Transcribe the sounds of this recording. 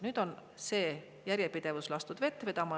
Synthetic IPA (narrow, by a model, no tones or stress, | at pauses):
nyːd̪̥o̞n | se̞ː | jæɾjepid̪̥e̞vuslɑst̪ud̪̥ve̞t̪ːˑve̞d̪ɑmɑ